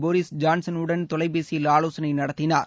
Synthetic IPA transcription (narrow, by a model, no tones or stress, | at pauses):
boːɾɪsd͡ʒaːnsɐnʊɽɐnt̪ɔlɐɪbeːsɪjɪlaːloːsɐnɐɪnɐɽɐt̪ːɪnaːɾ